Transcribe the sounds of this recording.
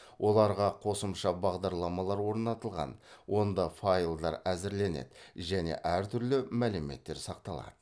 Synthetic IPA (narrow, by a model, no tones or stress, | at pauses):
wʔo̞lˠɑɾʁɑqʰo̞səmʃɑbɑʁd̪ɑɾlˠɑmɑlˠɑɾwo̞ɾnɑt̪əlˠʁɑ̰nwʔo̞nd̪ɑfajlˠd̪ɑɾæzɪɾle̞nḛd̪ʒæne̞̰ʔæɾt̪ʰʏɾlɪmælɪme̞̰t̪ːe̞ɾsɑq̚t̪ɑlˠɑ̰d̪̥ə